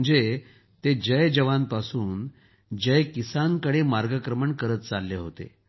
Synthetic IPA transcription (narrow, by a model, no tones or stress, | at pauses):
əɳd͡ze | t̪ed͡ʑəjd͡ʑəʋanpasuːn | d͡ʑəjkisaŋkəɽemaɾɡəkɾəməɳkəɾət̪t͡salːeɦot̪ḛ